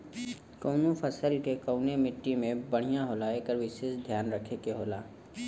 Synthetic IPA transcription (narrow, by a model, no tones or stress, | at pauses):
koːnũpʰəsəlkekəʊnemɪʈːimẽbɐɽ̤̃ijãɦolaːekəɾʋɪʃeːsd̪ʱjaːnɾəkʰekeɦoːlaː